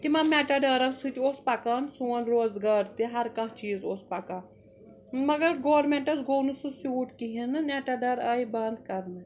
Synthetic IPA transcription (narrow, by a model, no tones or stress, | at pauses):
t̪imɐmʲeʈaɖɐːɾɐsɨt̪iospɐkaːnsuːɐnɾoːzɡaːɾt̪iɦɐɾkɐ̃ɦt͡ʃiːzoːspɐkaː | mɐɡɐɾɡoːɾmeɳʈɐsɡoːnususjuːʈkiɦinɨneʈaɖɐɾaːibɐnd̪kɐɾnɐ